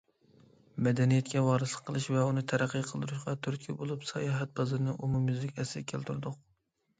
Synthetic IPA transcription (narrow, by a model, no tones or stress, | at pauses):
mɛd̪ɛnijɛt̪̚kʲɛwɑːɾɨslˠə̥qʰːəlˠɨʃvɛunɨt̪ʰæɾæqːɨqʰəlˠd̪uɾuʃqɑt̪ʰyɾt̪̚ʲkʲʰibolˠupsɑ̰jɑːɦɛt̪̚bɑzɨɾnɨʔumumɨzlɪkʲɛsɪkʲʰelt̪ʰyɾd̪ʊq̚